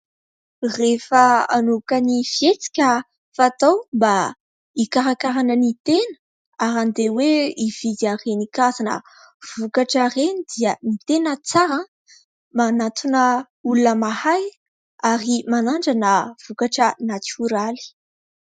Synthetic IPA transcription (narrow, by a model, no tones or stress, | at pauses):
refəanukanifjet͡si̥kʲə | fat̪awmba | ikaɾakaɾanənit̪enə̥ | aɾand̪eweiv̥id̪arenikazanə̰ | v̥ukaʈ͡ʂarenid̪̥iənit̪enət͡saɾã | manat̪unə | ulunəmahaj | aɾimanaɳɖ͡ʐanəv̥ukaʈ͡ʂənat͡suɾali̥